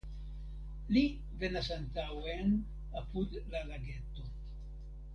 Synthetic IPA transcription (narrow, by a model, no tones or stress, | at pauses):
li | venasant̪awen | apud̪lalaɡet̪o